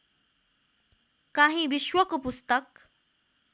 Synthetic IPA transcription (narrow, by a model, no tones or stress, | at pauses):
kaɦĩʋiɕʋəkpust̪ək̚